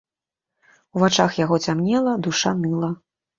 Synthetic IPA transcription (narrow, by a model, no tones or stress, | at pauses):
uvat͡ʂaxjaɣɔt͡sʲamnʲɛlˠɐd̪uʂanɨlˠɐ